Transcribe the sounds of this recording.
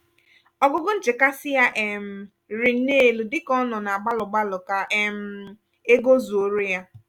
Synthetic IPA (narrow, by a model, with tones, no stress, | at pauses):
ɔ˦ɡʊ˦ɡʊ˦n̩˦t͡ʃɪ˨ka˦sɪ˦ja˦ʔe˨m̩˨ | ɾi˨n̩˦ne˦˨lu˨dɪ˦kɔ˦nɔ˨na˨a˨ɡ͡ba˦lʊ˨ɡ͡ba˦lʊ˨ka˦ʔe˦m̩˦ | e˦ɡo˦zu˨o˦ɾe˦ja˦